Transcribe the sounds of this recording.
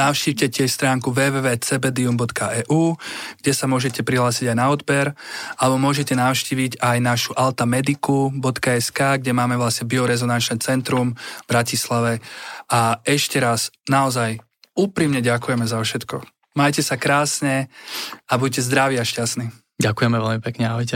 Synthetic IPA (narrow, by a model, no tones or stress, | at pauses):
naʊʃciːwcɛcɪɛst̪ɾaːŋkuʋɛːʋɛʋɛːt͡sɛbɛd̪iumbɔt̪kaʔɛːʔuːɡ̥ɟɛsamʊɔʒɛcɛpɾiɦlaːsiɟajnaɔd̪bɛɾʔalɛbɔmʊɔʒɛcɛnaʊʃciːʋiɟajnaʃuʔalt̪amɛd̪ikubɔt̪kaɛskaːɡɟɛmaːmɛʋlasɲɛbiɔɾɛzɔnant͡ʃnɛt͡sɛnt̪ɾumbɾacislaʋɛaɛʃcɛɾaznaɔzaj | uːpɾimɲɛɟakujɛmɛzaʊʃɛt̪kɔ | majcɛsakɾaːsɲɛ | abuɟ̚cɛzd̪ɾaʋiːaʃcasniː | ɟakujɛmɛʋɛlmipɛkɲɛaɦɔjcɛ